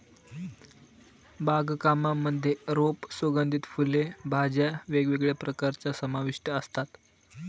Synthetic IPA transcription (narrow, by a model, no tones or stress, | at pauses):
baɡkamamːəd̪ʱːjeɾopsʋəɡənd̪ʱit̪fulebʱad͡ʑjaʋeɡʋeɡɭjapɾəkaɾt͡ɕjasəmaʋiʂʈəəst̪at̪